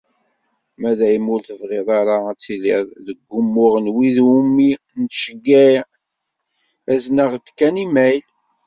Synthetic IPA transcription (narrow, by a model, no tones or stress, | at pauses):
mæðæjəmʊlθəvʁɪðˤɑɾˤaæt͡sːiliðˤðəɡːʊmːʊʁənwiðumːi | nʃəɡːæj | æznəʁt̪ːkːænimæjl